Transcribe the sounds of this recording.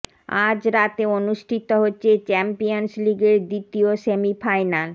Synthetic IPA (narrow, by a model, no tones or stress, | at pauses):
ad͡ʑɾat̪eonuʃʈʰit̪oɦotːɕʰet͡ɕɛmpionsliɡeɾd̪it̪iosemifajnal